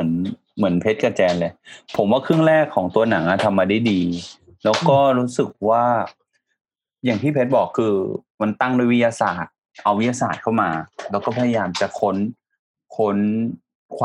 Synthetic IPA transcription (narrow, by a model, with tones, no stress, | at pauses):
ɯ˩˦n | mɯ˩˦ənpʰe˦˥t̪̚ka˧t͡ɕɛː˧nle˧˩pʰo˩˦mwaː˥˩kʰɯ˥˩ə˨ŋɾɛː˥˩kʰːɔː˩˦ŋt̪u˧ɐna˩˦ŋʔa˧t̪ʰa˧mːaː˧da˥˩jdiː˧ | lɛː˦˥wkɔː˥˩ɾuː˦˥sɯ˨˩k̚waː˥˩ | jaː˨˩ŋt̪ʰiː˥˩pʰe˦˥t̪̚bɔː˨˩kʰːɯː˧ | ma˧nt̪a˥˩ŋduː˥˨jwi˦˥jaː˧saː˨˩t̪̚ | ʔa˧wi˦˥jaː˧saː˨˩t̪̚kʰa˥˩wmaː˧lɛː˦˥wkɔː˥˩a˧ja˧jaː˧mt͡ɕa˨˩kʰo˦˥n | kʰo˧˦˥n | kʰː